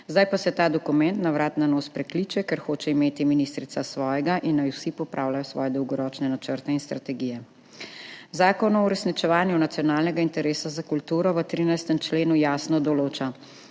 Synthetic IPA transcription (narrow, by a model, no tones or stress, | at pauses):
zd̪ajpasɛt̪aːd̪ɔkumɛnt̪naʋɾaːt̪nanoːspɾɛkliːt͡ʃɛkɛɾxoːt͡ʃɛimeːt̪iminist̪ɾit̪sasʋɔːjɛɡaʔinːajwsipɔpɾʔaːwlajɔsʋɔ̰ːjɛd̪ɔwɡɔɾɔːt͡ʃnɛnat͡ʃəɾt̪ɛinst̪ɾat̪ɛɡijɛ | zaːkɔnɔuɾɛsnit͡ʃɛʋaːnjunat̪sijɔnaːlnɛɡaint̪ɛɾeːsazakult̪uːɾɔʋət̪ɾiːnajst̪ɛmt͡ʃleːnujaːsnɔd̪ɔloːt͡ʃa